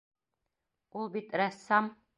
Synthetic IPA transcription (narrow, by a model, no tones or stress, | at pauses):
ulˠbit̪ɾæsːɑm